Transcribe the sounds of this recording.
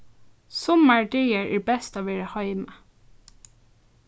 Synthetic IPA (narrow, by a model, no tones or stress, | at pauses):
sɔməɹɖœɪəɹæːɹbɛst̪ɑːʋeːɹəhɑɪmə